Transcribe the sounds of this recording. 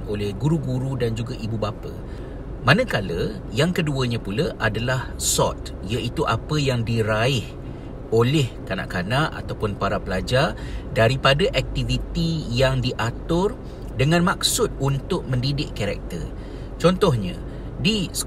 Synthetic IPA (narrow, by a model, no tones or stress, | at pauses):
olɛhɡuɾuɡuɾudand͡ʒuɡaʔibubapə̰ | manə̃kalə | jaŋkəduəɲãpuləʔadalahsɔ̰t̪̚ | ijaʔit̪uʔapəjaŋdiɾaɪh | olɛhkana̰ʔkanaʔa̰t̪awpʊnpaɾapəlad͡ʒar | daɾipadaʔɛk̚t̪ivit̪ijaŋdiʔat̪ʊr | dəŋãnmak̚sʊt̪̚unt̪ʊʔ̚mə̃ndidɪʔkaɾɛ̰k̚t̪ə̰r | t͡ʃɔnt̪ɔhɲã̰ | disə̥